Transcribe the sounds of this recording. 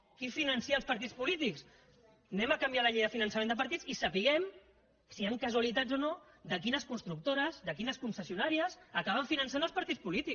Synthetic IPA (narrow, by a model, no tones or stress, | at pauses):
kifinənsiaːlˠspɐɾt̪it͡spulit̪iks | nɛməkambjalɐʎejðəfinənsamend̪əpɐɾt̪it͡sisəpiɣɛm | siaŋkəzualit̪ad͡zono | d̪ək̬inəskunst̪ɾuk̚t̪oɾəzd̪əkinəskunsəsiunaɾiəzəkaβəɱfinənsanlˠspɐɾt̪it͡spulit̪i